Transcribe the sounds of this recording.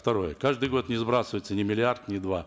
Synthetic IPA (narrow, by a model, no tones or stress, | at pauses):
ft̪ɐɾo̞jəkaʐd̪ɨjɡo̞t̪nʲɪzbɾasəvəjt̪sənʲɪmʲɪlʲɪart̪nʲɪd̪va